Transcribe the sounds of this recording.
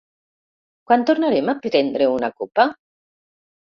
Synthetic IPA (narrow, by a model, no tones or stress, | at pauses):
kwant̪oɾnaɾemapɾet̪ɛnd̪ɾeunakopa